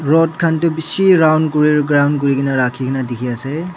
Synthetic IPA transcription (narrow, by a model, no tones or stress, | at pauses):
ɹɔt̚kʰantubisiɾawnkuɹiɾɡɾawnk̬uɾikʰinaɾakʰikʰinadikʰiase